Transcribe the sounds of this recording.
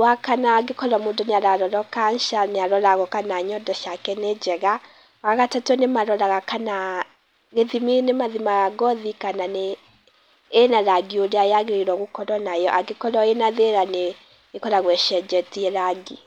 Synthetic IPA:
wakanaɡekɔɾɔmodɔneaɾaɾɔɾɔkanʃaneaɾɔɾaɣɔkanaɲɔdɔʃakɛned͡ʑɛɣa | ɣaɣatatwɛnemaɾɔɾaɣakana | ɣeðiminemaðimaɣaɣɔðikananeː | naɾaɡioɾeaeaɣeɾeɾwɔɣokɔɾɔnajɔʔaɡekɔɾɔenaðeɾane | ɣekɔɾaɣwɛʃɛd͡ʒɛtiɛɾaɡi

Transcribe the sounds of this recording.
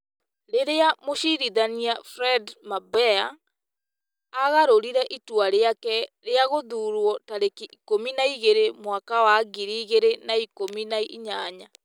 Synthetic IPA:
ɾeɾeamoʃiɾiðaniafɾɛdmabɛa | ɣaɾoɾiɾɛʔitwaɾeakɛɾeaɣoðuːɾwɔtaɾekiikominaiɣeɾemwakawaɡiɾiːɣeɾenaikominaiiɲaɲa

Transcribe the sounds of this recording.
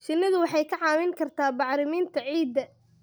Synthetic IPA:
ʃɪnːɪðʊwɑħɑjkʰɐʕɑːmɪŋkʰɐrt̪ʰaːbɑʕɾɪmiːnt̪ʰɐʕiːd̪ɐ

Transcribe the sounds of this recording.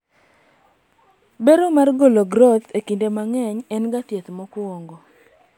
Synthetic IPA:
beɾomarɡoloɡɾɔt̪ekindemaŋɛɲɛnɡatjet̪mɔkwoŋɡo

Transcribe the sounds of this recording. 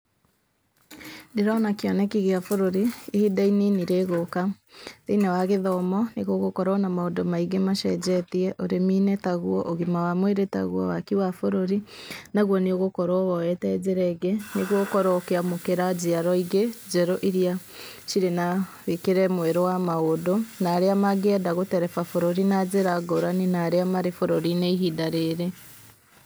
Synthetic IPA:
neɾɔnakeɔnɛkiɣeafoɾoɾiːhidaininiɾeɣoka | ðeinawaɣeðɔmɔneɣoɣokɔɾɔnamaodɔmaiɣemaʃɛd͡ʑɛtiɛʔoɾemiːnɛtaɣuɔ̰ʔoɣimawamweɾeta̰ɣwɔ̰wakiwafoɾoɾinaɣonioɣokoɾoβɔɛtɛzeɾɛɡeneɣokoɾokeamokeɾaziaɾɔiɡezɛɾoʔiɾia | ʃiɾenaβekeɾɛmweɾowamaodonaɾeamaɡɛdaɣotɛɾɛfafoɾoɾinazeɾaɡoɾaninaɾeamaɾefoɾoɾineiɦidaɾeɾe

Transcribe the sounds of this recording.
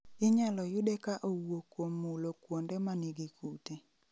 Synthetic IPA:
ɪɲalɔjʊdɛkaʔowokwomːulokwondemaniɡikʰute

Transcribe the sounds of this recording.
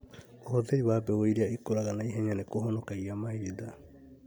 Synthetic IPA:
ohoteiβabeojɾiaikoɾaɡanajɦaɲanekoɦonokajamajɾida

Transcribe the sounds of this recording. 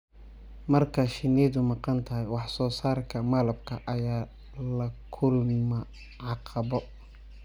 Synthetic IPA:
mɐrkʰɐʃɪnɛːðʊmɑqɑnt̪ʰɐɦɛjwɑħsɔːsaːrkʰɐmɐlɐbkʰɐʔɐjaː | lɐkʰʊlmɐ | ʕɑqʰɑβɔ

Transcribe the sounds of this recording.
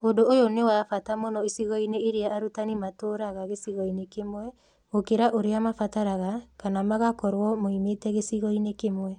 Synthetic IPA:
odoːjonewafatamonɔisiɣɔineːɾeaːɾutanimatoːɾaɣaɣesiɣɔinekemwɛ | okeɾaʔoɾeamafataɾaɣakanamaɣakɔɾwɔmoimetɛɣesiɣɔinekemwɛ

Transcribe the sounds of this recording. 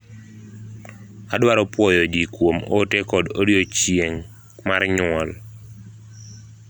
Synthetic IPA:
adwaɾɔpwɔjɔd͡ʒikwomotɛkɔdoɾjot͡ʃjeŋ | marɲʊɔl

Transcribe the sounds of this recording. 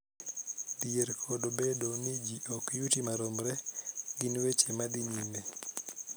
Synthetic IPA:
dieɾkʰodobedonid͡ʒiʔokjutimaɾomɾɛɡinwet͡ʃemadiɲine

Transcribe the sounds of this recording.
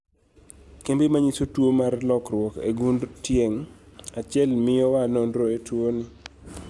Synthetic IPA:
kembemaɲisotwomarlɔkrwɔkḛɡuntjeŋat͡ʃɪɛlmɪjɔwanondɾoetwonɪ

